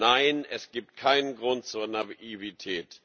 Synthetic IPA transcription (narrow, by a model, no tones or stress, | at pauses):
aɪnɛsɡ̥iːp̚t̚kʰaɪnənɡʁʊnt̚t͡suːɐnaivitʰɛːt